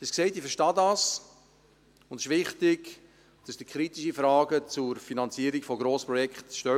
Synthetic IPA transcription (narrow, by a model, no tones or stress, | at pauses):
d̥eskseɪtifəɾʃtɑdɑs | ʊndɪʃʋɪχtɪɡ | d̥ɑsd̥ikʰɾitiʃifɾɑːɡət͡sʊɾfinɑnt͡siəɾikfɔɡɾoːspɾɔjɛkχt̪ʃtœ